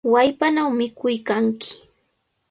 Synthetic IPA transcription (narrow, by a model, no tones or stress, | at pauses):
wajpanawmɪkʊjkaŋkɪ̥